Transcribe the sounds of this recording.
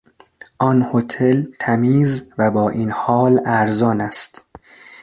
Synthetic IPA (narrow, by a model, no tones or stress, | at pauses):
ʔɒːnhot̪ʰelt̪ʰæmiːzvæbɒːʔiːnhɒːlæɾzɒːnæst̪